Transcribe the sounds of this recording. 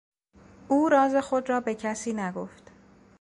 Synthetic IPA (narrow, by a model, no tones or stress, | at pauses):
ʔuːɾɒːze̞xo̞d̪ɾɒːbe̞cʰæsiːnæɡoft̪